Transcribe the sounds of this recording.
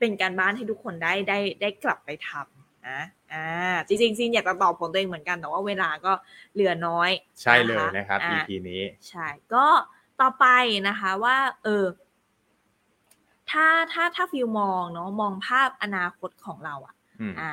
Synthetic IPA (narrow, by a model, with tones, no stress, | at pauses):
pe˧nkaː˧nbaː˥˩nha˥˩jt̪u˦˥kʰːo˧ndaː˥˩jdaː˥˩jdaː˥˩jkla˨˩pːa˧jt̪ʰa˧m | ʔa˦˧˥ʔaː˧˩t͡ɕi˧ŋt͡ɕi˧ŋsi˧ŋjaː˨˩t̪a˧t̪ɔː˨˩pʰo˨˩˦t̪ːeː˧ŋmɯ˩˦nka˧nt̪ɛ˨˩waː˥˩weː˧laː˧kɔː˥˩ | lɯ˨˩˦ɐnɔː˦˥j | t͡ɕʰa˥˧˩jlɤː˧jna˦˥kʰa˦˥pʔaːi˧˩tʰiː˧nḭː˦˥t͡ɕʰa˥˩jkɔː˥˩ | t̪ɔː˨˩pa˧jna˦˥kʰa˦˥waː˥˩ʔɤː˧ | t̪ʰaː˥˩t̪ʰaː˥˩t̪ʰaː˥˩fi˧wmɔː˧ŋnɔ˦˥mɔː˧ŋpʰaː˥˩p̚ʔa˧naː˧kʰo˦˥t̪̚kʰɔː˩˦ŋɾa˧wʔa˨˩ | ʔaː˧˩